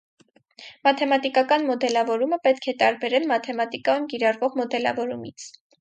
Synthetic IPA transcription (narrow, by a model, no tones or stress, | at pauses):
mɑt̪ʰɛmɑt̪ikɑkɑnmɔd̪ɛlɑvɔɾuməpɛt̪kʰɛt̪ɑɾbɛɾɛlmɑt̪ʰɛmɑt̪ikɑjumkiɾɑrvɔʁmɔd̪ɛlɑ̰vɔɾumit͡sʰ